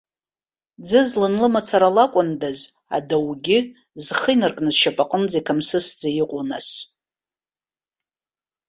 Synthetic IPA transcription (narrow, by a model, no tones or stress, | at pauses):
d͡zɨzlɨnlɨmat͡sʰaɾalakʷʼʊndaz | a̰dawɡʲɪ | zχəjnɨrkʼnɨzʃapʼaqʼənd͡zajkʰamsɨsd͡zajiqʷʼunas